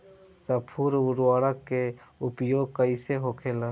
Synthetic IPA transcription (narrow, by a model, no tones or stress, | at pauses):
səpʰuɾʊɾwaːɽəkːeʊpjoːɡ̚kəɪseɦoːkʰela